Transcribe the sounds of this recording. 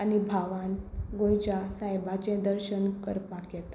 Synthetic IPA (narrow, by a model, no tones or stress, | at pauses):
anibʱaʋanɡõjt͡ɕasajbat͡ɕẽd̪əɾɕənkəɾpakjɛt̪